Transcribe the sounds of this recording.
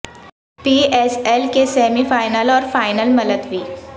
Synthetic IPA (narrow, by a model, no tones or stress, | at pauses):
piːeːselkesɛːmifaːɪnəlɔːɾfaːɪnəlmɐləd̪ʋiː